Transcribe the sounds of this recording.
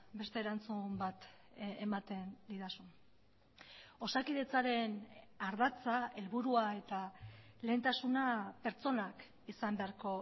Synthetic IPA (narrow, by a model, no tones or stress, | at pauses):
be̞st̪e̞ːɾant͡sumbat̪ | emat̪e̞nd̪iðasun | o̞sakiðe̞t͡saɾe̞n | aɾðat͡sae̞lβuɾuae̞t̪ale̞ːnt̪asunape̞ɾt͡so̞nak | isambe̞aɾko̞